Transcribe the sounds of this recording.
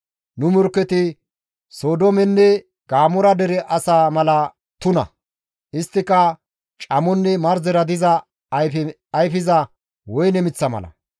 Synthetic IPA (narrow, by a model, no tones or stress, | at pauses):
nʊmʊɾkːɛt̪ɪ | soːd̪ɔmɛnːɛ | ɡ̥aːmɔɾɐd̪ɛɾɛʔɐsaːmɐlɐ | t̪ʊnɐ̰ | ʔɪst̪ːɪkːɐ | t͡ʃʼɐmɔnːɛmɐɾzɛɾɐd̪ɪzɐ | jfɪzɐ | wɔjnɛmɪt͡sːɐmɐ̰lɐ̰